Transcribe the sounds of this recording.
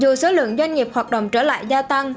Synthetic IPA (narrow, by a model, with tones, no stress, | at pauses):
zu˨˩so˨˦lɨ̰˧˨əŋzwa˧jŋ̟ŋi˨˩p̚hwaː˨˩t̚ɗə̰˧˨wŋ͡mt͡ɕəː˧˩la̰ː˧˨jzaː˧t̪a˧ŋ